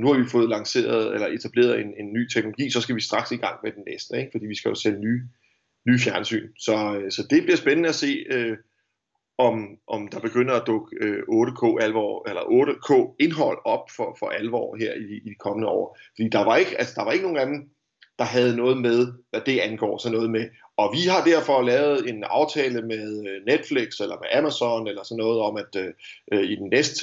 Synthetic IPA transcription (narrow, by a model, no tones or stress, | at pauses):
nuhɑ̈ʋifɔ̽ːð̞̩ˠlɑ̈ŋse̝̰ːɐð̞̩ˠelɐʔe̝t͡sʰæb̥le̝̰ːɐðˠe̝ne̝nːyːt͡sʰeɡ̥̚no̝lo̝ɡḭːsɒ̽sɡ̥æʋisd̥ʁɑ̈ɡ̥siɡ̥ɑ̈ŋ̰med̥enːesd̥əeɡ̥fɒdḭːʋisɡ̥æjo̝selənyː | nyːfjæɐnsy̰ːnsɒ̽øsɒ̽d̥e̝b̥liɐsb̥enənəæse̝̰ːø | ɒ̽mʔɒ̽md̥ɑ̈b̥e̝ɡ̥øn̰dɐæd̥ɔ̽ɡ̥əøɔ̽ːɾəkʰɔ̰ːælʋɒ̰ːelɐʔɔ̽ːɾ̥əkʰɔ̰ːe̝nɦɒ̽l̰ɒ̽b̥fɒfɒ̽ʔælʋɒ̰ːɦeɐ̰i̥ːd̥ikʰɒ̽mənəɒ̰ːfɒd̥ḭːd̥ɑ̈ʋɑ̈e̝ɡ̥əælsɐd̥ɑ̈ʋɑ̈e̝ɡ̥əno̝ːŋn̩æd̥m̩ | d̥ɑ̈ɦæð̞̩ˠnɔ̽ːð̩ˠmeð̞ˠʋæd̥e̝ænɡ̥ɒ̰ːsɒ̽nːɔ̽ːð̩ˠme | ɒ̽ʋiɦɑ̈d̥æɐ̰fɒ̽lɛːʊð̞̩ˠe̝nɑ̈ʊt͡sʰɛːləmeð̞ˠned̥fleɡ̥selɐmeʔæmæsɒnelɐsɒ̽nːɔ̽ːð̞̩ˠɒ̽mæd̥øʔøid̥enːesd̥